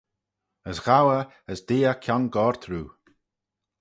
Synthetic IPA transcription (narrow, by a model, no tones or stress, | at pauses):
əsɣawə | əsd̪eːəkʰjɔnɡɔːɹt̪ʰɾuː